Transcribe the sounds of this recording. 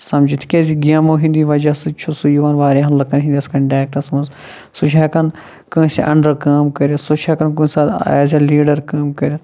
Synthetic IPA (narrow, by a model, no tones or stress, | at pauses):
sɐmd͡ʒit̪ʰi̥kʲeziɡjaːmoːɦĩnd̪iːʋɐd͡ʒɐːsɨt͡ʃʰosujuʋaːnʋaːɾeɦɐnlɐkɐnɦind̪iɐskɐɳʈaːk̚ʈɐsmɐnz | sut͡ʃʰakɐn | kɐ̃ːsiʔɐɳɖɐɾkaːmkɐɾjɐsut͡ʃʰɐkɐnkuːsa̰ːzʲaliːɖɐɾkaːmkɐɾʲji